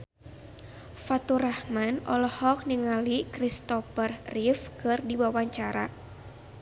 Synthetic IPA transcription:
fat̪uɾahmanɔlɔhɔk̚niŋalikɾist̪ɔfərrifkɨrdiwawaɲt͡ʃaɾa̰

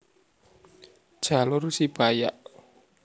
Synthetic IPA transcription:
d̥ʒ̥alʊrusib̥aja̰ʔ

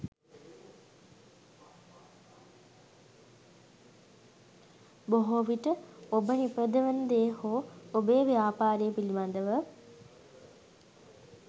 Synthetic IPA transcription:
boɦoʋiʈəobənipɾəd̪əʋənd̪eːhoːobeːʋjaːpaːɾejəpiliband̪əʋə

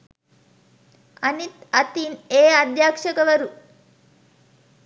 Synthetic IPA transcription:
ɐnit̪ɐt̪ineːad̪jaːkʂɐkɐʋɐɾu

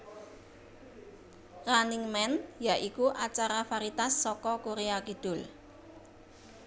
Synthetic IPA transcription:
raniŋmɛnjaʔikuʔat͡ʃaɾafaɾit̪asːɔkɔkuɾeakid̥ʊ̤l

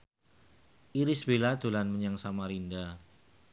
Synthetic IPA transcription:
ʔiɾɪsb̥elad̪̥ṳlanməɲaŋsamaɾinda

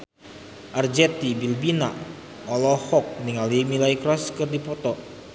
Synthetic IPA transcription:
ʔard͡ʒɛt̪ibilbina | ɔlɔhɔk̚niŋalimilaikɾɔskɨrdipɔt̪ɔ

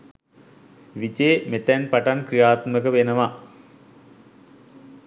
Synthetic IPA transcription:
ʋit͡ɕeːmet̪ænpaʈankɾijaːt̪məkəʋenəʋa

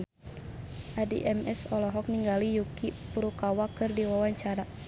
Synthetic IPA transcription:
ʔadḭʔɛmɛsɔlɔɦɔk̚niŋɡalijukipuɾukawakɨrdiwawaɲt͡ʃaɾa

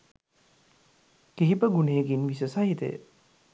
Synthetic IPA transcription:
kiɦibəɡuneːɡinʋisəsaɦit̪ḛj̰

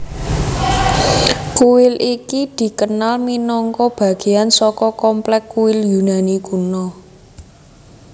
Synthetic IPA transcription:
kuwɪlikid̪̥i̤kənalminɔŋkɔb̥ä̤ɡ̥e̤ansɔkɔkɔmplɛkːuwɪljunaniɡ̥unɔ

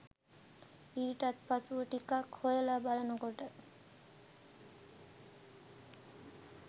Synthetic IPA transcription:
iɾʈat̪̚pat͡suʈikakʰojelabalanoɡɔʈa

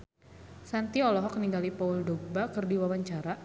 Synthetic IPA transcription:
sant̪iɔlɔɦɔkəniŋɡalipauldobakərdiwawaɲt͡ʃaɾa

